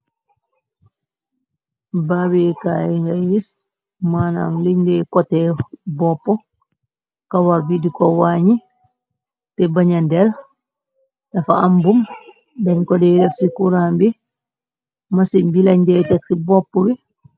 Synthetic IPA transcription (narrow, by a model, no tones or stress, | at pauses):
babikajɛŋɡajis | mana̰mliɲdɛkɔtɛbɔpːɔ | kawaɾbidikɔwaːɲi | tɛbaɲandɛl | ɗafaambum | daɲkɔdɛdɛfsikuɾambi | masimbilaɲdɛtaksibɔpːɔbi